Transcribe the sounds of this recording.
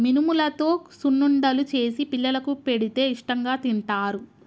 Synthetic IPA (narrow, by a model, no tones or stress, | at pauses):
minumulɐt̪o̞ːsunːuɳɖɐlut͡ʃe̞ːsipilːɐlɐkupe̞ɽit̪e̞ːiʂʈɐŋɡaːt̪iɳʈaːɾu